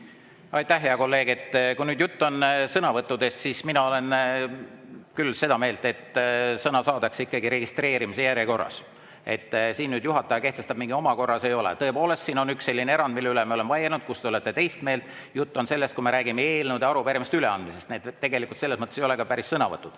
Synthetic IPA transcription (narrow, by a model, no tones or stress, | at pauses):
ɑjt̪æhːe̞ɑko̞lːe̞ːɡ̥e̞t̪ːkunyːd̪̥jut̪ːonsɤnɑvɤt̪ːˑud̪e̞st̪sisminɑo̞le̞n | kylːse̞d̪ɑme̞ːlt̪e̞t̪ːsɤnɑsɑːd̪̥ɑksikːɑɡiɾe̞ɡist̪re̞ːɾimis̬ejæɾjeko̞rːɑ̰s | e̞̰t̪ːsiːnːyːd̪juɦɑt̪ːˑɑjɑke̞ht̪e̞st̪ɑb̥̚miŋɡ̥io̞mɑko̞rːɑse̞jo̞lḛt̪ɤ̞epo̞ːle̞st̪siːno̞nykse̞lʲːinee̞ɾɑnd̪milːeylemio̞le̞mɑjenud̪̥̚kust̪e̞ole̞t̪ːˑe̞t̪e̞jst̪me̞ːlt̪ˑ | jut̪ːo̞nse̞lːest̪kume̞ɾæːɡimeeːlnud̪eɑɾupeɾimst̪yle̞ɑnd̪mise̞st̪neːd̪t̪ːeɡe̞likːˑult̪se̞lːesmɤt̪ːˑesejo̞lekɑpæɾisːɤnɑvɤt̪ˑːud̪̥